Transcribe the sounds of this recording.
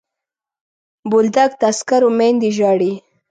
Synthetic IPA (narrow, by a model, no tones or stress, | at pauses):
bʊld̪ak̚t̪askaɾomend̪iʒɑɽi